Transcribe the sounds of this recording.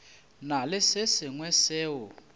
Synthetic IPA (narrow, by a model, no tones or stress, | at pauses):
nalɪsɪsɪŋwɛsɛːwɔ